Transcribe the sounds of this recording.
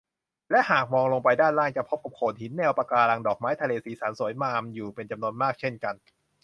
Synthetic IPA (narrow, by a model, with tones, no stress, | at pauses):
lɛ˦˥ʔhaː˨˩k̚mɔː˧ŋloː˧ŋpa˧jdaː˥˩nlaː˥˩ŋt͡ɕa˧˩pʰo˦˥p̚ka˨˩p̚kʰoː˨˩n̚hi˨˩˦nːɛː˧wpa˧kaː˧laː˧ŋdɔː˨˩k̚maː˦˥jt̪ʰa˧leː˧siː˩˦saː˩˦nsu˨˩˦jmaː˧mjuː˨˩pe˧nt͡ɕa˧mnu˧ənmaː˥˩k̚t͡ɕʰe˥˩nka˧n